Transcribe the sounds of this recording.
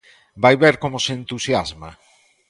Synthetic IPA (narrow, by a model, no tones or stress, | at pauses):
bajβeɾkomoseent̪usjazma